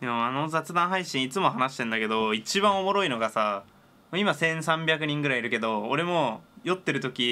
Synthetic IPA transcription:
d̪emoano̞zat͡sɨd̪ãɦaiɕĩit͡sɨmo̞ɦanaɕi̥t̪end̪ake̞d̪o̞it͡ɕibãɰ̃o̞mo̞ɾo̞ino̞ɡasa | moimasẽ̞ɰ̃sãmbʲjakɯ̟ɲ̟ĩŋɡɯ̟ɾaiɾɯ̟ke̞d̪o̞ːɾe̞mo̞jo̞t̪ːe̞ɾɯ̟t̪o̞kʲi

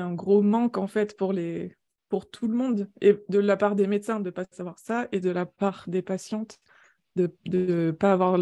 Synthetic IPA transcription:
ɛ̃ɡʁomɑ̃kɑ̃fɛt̪puʁle | puʁt̪ʰuləmɔ̃d̪ed̪əlapaʁd̪emet̪sɛ̃d̪əpasavwaʁsaed̪əlapaʁd̪epasjɑ̃t̪ | d̪əd̪əpaːvwaʁ

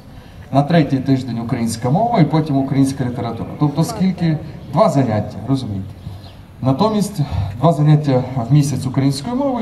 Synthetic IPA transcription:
nɐt̪ɾɛtʲijt̪ɪʒd̪enʲʊkɾɐjinʲsʲkɐmɔʋɐipɔtʲimʊkɾɐjinʲsʲkɐlʲit̪eɾɐt̪ṵɾɐ̰t̪ɔp̚t̪ɔskʲilʲkɪd̪ʋɑzɐnʲatʲːɐɾɔzʊmʲijt̪e̥ | nɐt̪ɔmʲisʲtʲd̪ʋɑzɐnʲatʲːɐwmʲisʲɐt͡sʲʊkɾɐjinʲsʲkɔjimɔʋɪ

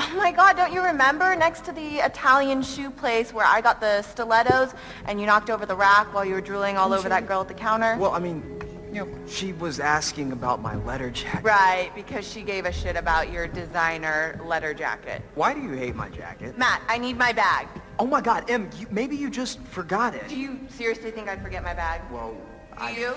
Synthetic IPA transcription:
omaɪɡɑdõʊ̃nt͡ʃɨɹɨmɛ̃mbə˞nɛkstʰɨðiɪtʰælˠjɨ̃nʃʉpʰl̥eɪswə˞a̰ɪɡɑt̪̚ðɨstəlɛɾoʊz | ʔɨ̃njɨñɑk̚toʊvə˞ðəɹækwaɪlˠjɨwə˞dɹulˠɪ̃ŋɔlˠoʊvə˞ðɨt̚ɡ̥ɜ˞lˠv̚ðɨkʰãʊ̃ɾ̃ə˞wɛlˠa̰ɪmĩn | j | ʃiwʌzæskɪ̃ŋɨbaʊt̚ma̰ɪlɛɾə˞d͡ʒæ̰ɹaɪt̚b̥ɨkʰʌz̥ʃiɡeɪvɨʃɪɾɨbaʊt͡ʃə˞dɨzãɪ̃nə˞lɛɾə˞d͡ʒæ̰kɨ̰t̚waɪɾɨjɨheɪt̚ma̰ɪd͡ʒæ̰kɨ̰t̚mæt̚aɪnid̚maɪbæɡ̥̚ | oʊmaɪɡɑɾɛ̃mjɨmeɪbijɨd͡ʒʌstfə˞ɡɑɾɪ̰t̚d̥ɨjɨsɪɹiɨsliθɪ̃ŋkaɪd̥fə˞ɡɛt̚maɪbæɡ̥̚wɛ̰lˠ | d̥a̰ɨɪjʉ

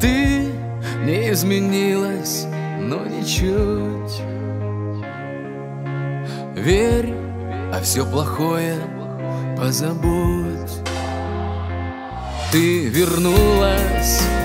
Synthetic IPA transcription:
t̪ɨ | nʲɪɪzmʲɪnʲilˠəsʲ | nonʲɪt͡ɕutʲ | vʲeɾʲ | ɐfsʲoplˠɐxojə | pəzɐbutʲ | t̪ɨvʲɪrnulˠəsʲ

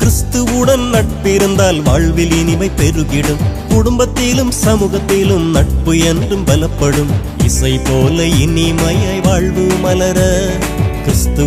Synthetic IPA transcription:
kɾɪst̪ɯʋɯɽɐnnɐʈ̚pɪɾɯnd̪aːlʋaːɭʋɪlɪniʋɐɪpːɛɾɯʋɪɽɯmkʊɽʊmbɐt̪ːɪlɯmsɐmuːɣɐt̪ːilɯmnɐʈ̚pɯɛndrɯmʋɐlɐpːɐɽɯm | ʋɪsɐɪpoːlɐɪnimɐjaːjʋaːɭʋɯmɐlɐɾɐ | kɾɪst̪ɯ

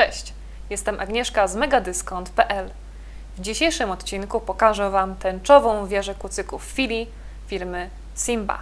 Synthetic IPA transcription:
t͡ʂɛɕt͡ɕ | jɛst̪ɛmʔaɡɲɛʂkazmɛɡad̪ɘskɔnt̪pɛʔɛl | vd͡ʑiɕejʂɘmɔt̪t͡ɕinkupɔkaʐɛvamt̪ɛnt͡ʂɔvɔ̃w̃vʲjɛʐɛkut̪sɘkufːʲilʲi | fʲiɾmɘ | simba̰

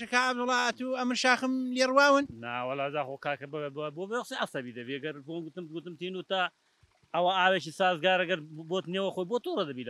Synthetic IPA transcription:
ʃɐkaːab̚d̪ʊlːaːɐt̪uɐmɨɾʃaːxɨmleːrwaːwɨnna̰wɐlːaːzaːxokʰaːkbbobewɐsiʕɐsɐbiːd̪ɐviɐɡɐɾboɡut̪ɨmɡut̪ɨmt̪iːnut̪ɐ | ɐwaaːwet͡ʃiːsaːzɡaːɾɐɡɐɾboːt̪newɐxoːjboːt̪urɐd̪ɐbiːla

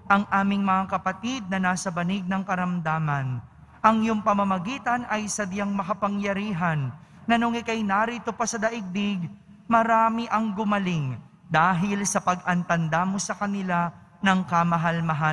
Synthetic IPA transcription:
ʔɐŋʔaːmɪŋmɐŋakɐpɐt̪id̪̚nɐnaːsɐbɐnɪɡ̚nɐŋkɐɾɐmd̪aːmɐn | ʔɐŋjʊŋpɐmɐmɐɡiːt̪ɐnɐjsɐb̪jaŋmɐkɐpɐŋjɐɾiːɦɐnːɐnoŋɪkɐjnaɾit̪opɐsɐd̪ɐʔɪɡ̚bɪɡ | mɐɾaːmɪʔɐŋɡʊmɐlɪŋ | d̪aːɦɪlsɐpɐɡʔɐnt̪ɐnd̪amosɐkɐnɪlanɐŋkɐmɐɦalmɐɦa

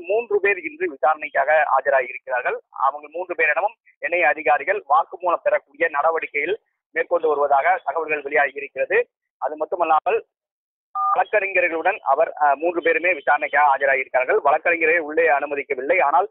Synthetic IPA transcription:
muːndrɯpeːɾɪndrɯʋɪsaːɾɐnɐɪkːaːɣɐa̰ːd͡ʒɐɾaːɣɪɾɯkːɪraːɾɣɐɭɐ̰ʋɐŋɡɐɭmuːndrɯpeːɾɛɳɐmɯm | ɛnːɐjɐðɪɣaːɾɪɣɐɭʋaːɾkɯmuːnɐpːɛɾɐkːuːɽɪjɐnɐɽɐʋɐɽɪkːɐjɪl | meːrkɔɳɖɯʋɐɾɯʋɐðaːɣɐt̪ɐɣɐʋɐlɣɐɭʋɛɭɪjaːɣɪɾɯkːɪrɐðɯ | ʔɐðɯmɐt̪ːɯmɐlːaːmɐɭ | ʋɐɭɐkːɐɾɪŋɡɐɾɣɐɭɯɽɐnɐ̰ʋɐɾmuːndrɯpeːɾɯmeːʋɪsaːɾɐnɐɪkːaːɣɐaːd͡ʒɐɾaːɣɪɾɯkːɪɾaːɾɣɐɭʋɐɭɐkːɐɾɪŋɡɐɾeːʊɭːeːɐnɯmɐðɪkːɐʋɪlːɐɪaːnaːl

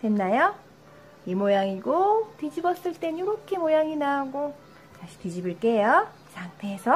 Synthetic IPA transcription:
tenːajo | imojaŋiɡotɯd͡ʑibʌs͈ɯɭt͈e̞ɲoɾokʰemojaŋinaɡo | taɕʰi̥tid͡ʑibɯɭk͈e̞joisʰaŋtʰeːsʰʌ

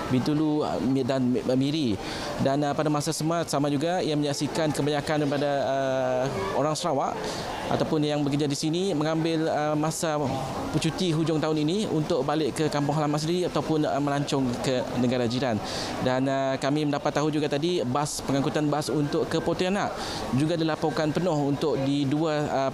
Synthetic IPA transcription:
bint̪ulṵdanmiɾi | danəpadamasasəmat̪̚samad͡ʒuɡaijamə̃ɲaʔsikankəbaɲakandipadaə | oɾaŋsəɾawaʔ | a̰t̪awpʊnjaŋbəkərd͡ʒadisinimə̃ŋãmbɪləmãsa | put͡ʃut̪iɦud͡ʒʊŋt̪aʊniniunt̪ʊʔ̚balɪʔkəkampʊŋɦalamansəndiɾiat̪awpʊnə̰mə̃laɲt͡ʃɔŋkənə̃ɡaɾad͡ʒiɾan | danəkamĩməndapat̪ːaɦud͡ʒuɡat̪adibaspəŋakut̪anbasunt̪ʊʔkəpot̪ianaʔ | d͡ʒuɡadilapokanpənʊhunt̪ʊʔ̚diduaə

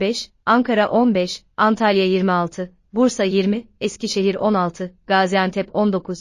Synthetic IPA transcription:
bɛʃ | aŋkʰaɾaʔo̞nbɛʃ | ant̪ʰalʲjajiɾmialˠt̪ʰɯ | buɾsajiɾmiɛsciʃe̞ɦiɾo̞nalˠt̪ʰɯɡ̥aːzijant̪ʰɛpo̞nd̪o̞kʰuz̥

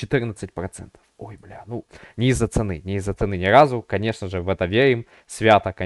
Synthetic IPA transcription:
t͡ɕɪt̪ɨrnət̪sɨtʲpɾɐt̪sɛ̰nt̪ə̥fojblʲanunʲɪɪzːət̪sɨnɨnʲɪɪzːət̪sɨnɨnʲɪɾazʊkɐnʲe̞ʂnəʐɨvɛt̪əvʲeɾʲɪm | sʲvʲat̪əkɐ

